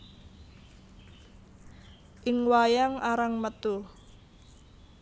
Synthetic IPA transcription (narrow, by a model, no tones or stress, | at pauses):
ʔɪŋwajaŋaɾaŋmət̪u